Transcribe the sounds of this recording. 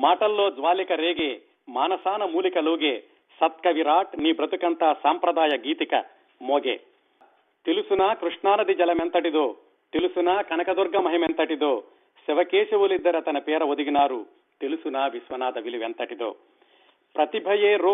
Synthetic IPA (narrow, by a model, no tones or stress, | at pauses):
maːʈɐlːoːd͡zʋaːlikɐɾeːɡe | maːnɐsaːnɐmuːlikɐloːɡe | sɐt̪̚kɐʋiɾaːʈniːbɾɐt̪ukɐnt̪aːsaːmpɾɐd̪aːjɐɡiːt̪ikɐ | moːɡḛ | t̪ilusunaːkɾuʂɳaːnɐd̪id͡ʒɐlɐment̪ɐʈid̪oː | t̪ilusunaːkɐnɐkɐd̪ɔɾɡɐmɐɦiment̪ɐʈid̪oː | sɛʋɐkeːʃɐʋulid̪ːɐɾɐt̪ɐnɐpɛːɾɐod̪iɡinaːɾu | t̪ilusunaːʋisʋɐnaːd̪ɐʋiliʋent̪ɐʈid̪o̰ː | pɾɐt̪ibʱɐjeːɾo